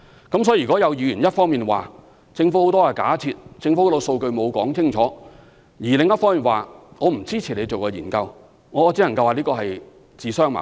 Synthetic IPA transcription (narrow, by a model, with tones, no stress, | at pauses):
kɐ˨˥msɔː˨˧˥kɔː˨˥jɐ˨˧wjiː˨˧jyː˨˩njɐ˥t̚fɔː˥ŋmiː˨˩nwa̰ː˨ | t͡sɪ˧ŋfu˨˥ho˨wt̪ɔː˥ja˨˩ka̰ː˨˥t͡sʰiː˧t̚t͡sɪ˧ŋfu˧˥to˧so˧wkɵ˧ɥmo˨˧wkɔː˨˥ŋt͡sʰɪ˥ŋt͡ʃʰɔː˨˥ | jiː˨˩lɪ˨˧ŋjɐ˥t̚fɔː˥ŋmiː˨nwaː˨˩ŋɔː˨˧m̩˨˩t͡siː˥t͡sʰi˨˩le˨˧jt͡so˨wkɔː˧jiː˨˩nkɐ˧w | ŋɔː˨˧ɔː˨˧t͡siː˨˥lɐ˨ŋkɐ˧waː˨liː˥kɔː˧hɐ˨j | t͡siː˨sœː˥ŋma̰˨